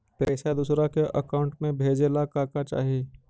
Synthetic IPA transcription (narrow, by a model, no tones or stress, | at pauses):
pɛːsad̪uːsɾakeʔɐkaːʊ̃ɳʈmẽbʱeːd͡ʒelakaːkat͡ʃa̰ːɦijeː